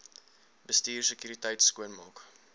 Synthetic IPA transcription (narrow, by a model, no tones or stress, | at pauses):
bəstiːrsəkjyːɾitəjtskuənmɑːk